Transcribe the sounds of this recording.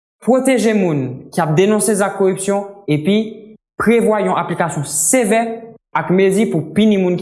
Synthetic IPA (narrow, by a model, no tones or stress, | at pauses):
pʁot̪eʒemũnkʲiap̚d̪enɔ̃sezakkːoʁypsjɔ̃epɥi | pʁevwajɔ̃ʔaplikasjɔ̃sevɛ | akmezipupinimũnk